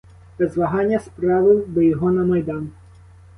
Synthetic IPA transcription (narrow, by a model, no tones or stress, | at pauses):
bɛzʋɐɦɑnʲːɐspɾɑʋɪd̪ɔjɔɦɔnɐmɐjd̪ɑn